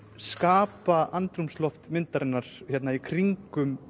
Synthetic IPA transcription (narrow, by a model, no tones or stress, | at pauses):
skaːpaʔant̪ɾumslɔft̪mɪnt̪aɾɪnːaɾ̥jɛt̪naikʰɾiŋkʏm